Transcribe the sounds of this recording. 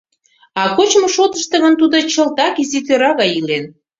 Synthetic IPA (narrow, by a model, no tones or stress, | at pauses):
ɑkot͡ɕmoʃot̪əʃt̪ə̆ɣənt̪ud̪ŏt͡ɕəlt̪ɑkizit̪øɾɑɣɑjilen